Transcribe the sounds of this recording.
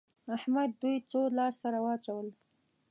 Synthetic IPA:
ahmad̪ːujt͡solɑssaɾawɑt͡ʃawəl

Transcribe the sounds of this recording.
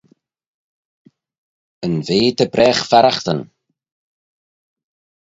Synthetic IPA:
ənveːd̪əbɾʔɛːxfaɾaxt̪ən

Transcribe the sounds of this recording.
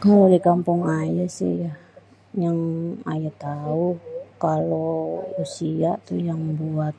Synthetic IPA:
kalodikampʊŋajasɪ̰hjah | jaŋa̰jat̪aukalousiat̪ujaŋbuat̪̚

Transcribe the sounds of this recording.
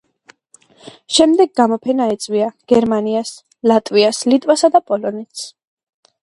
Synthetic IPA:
ʃɛmd̪ɛɡɡamɔpʰɛnaɛt̪sʼwiaɡ̥ɛɾmanias | lat̪ʼwiaslit̪ʼwasad̪apʼɔlɔnɛt̪s

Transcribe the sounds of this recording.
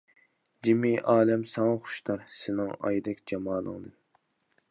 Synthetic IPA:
d͡ʒimiʔɑːlɛmsɑŋɑχʊ̥ʃt̪ɑɾsɪnɪŋɑ̰jd̪ɛkʲd͡ʒɑmɑːlˠə̰ŋd̪ɨ

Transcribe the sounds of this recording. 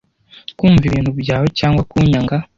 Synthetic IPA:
kuːɱviβiːn̥hubɟaːwocaːŋɡwakuɲaŋɡa

